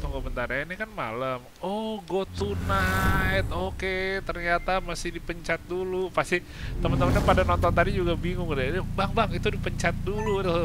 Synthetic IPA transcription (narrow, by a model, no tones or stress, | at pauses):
t̪ɔŋɡobənt̪aɾainikanma̰ləm | ɔhɡot̪unajt̪oket̪ərɲat̪amasɪhdipəɲt͡ʃat̪̚dulupast̪i | t̪əmənt̪əmənɲapadanɔnt̪ɔnt̪adid͡ʒuɡabiŋʊŋrbaŋbaŋit̪udipəɲt͡ʃat̪̚dulut̪